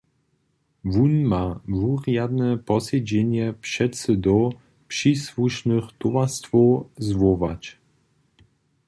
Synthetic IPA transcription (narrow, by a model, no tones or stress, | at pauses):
vunmavuʁjad̪nɛpɔsɛd͡ʑɛɲɛpʂɛt̪sɘd̪ɔ | pʂiswuʂnɨxt̪uwast̪fɔzvɔvat͡ɕ